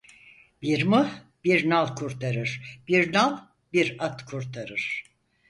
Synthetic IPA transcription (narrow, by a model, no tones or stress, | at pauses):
b̥iɾmu | b̥iɾnalˠkʰuɾt̪ʰaɾɯɾ̥biɾnalˠ | biɾat̪kʰuɾt̪ʰaɾɯɾ̥